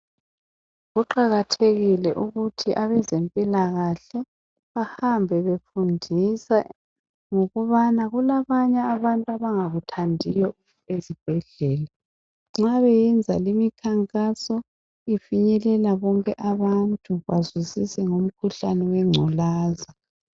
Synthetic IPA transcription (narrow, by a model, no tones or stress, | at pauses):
ɣuǃaɣatʰeɣilɛʔuɣutʰiʔaβɛzempʼilaɣaɬɛ | βahambʱɛβefundʱisa | ŋoɣuβanaɣulaβaɲɛːβantʼuaβaŋaɣutʰandʱijɔ | ezib̥ʱɛɮɛːla | ŋ͡ǁaβɛjɛnd͡zʱalimikʰaŋkʼasɔ | ifiɲɛlɛlaβɔŋkʼɛʔaβantʼuβazusisɛŋom̩kʰuɬanɛwɛŋ͡ǀʱɔlaːza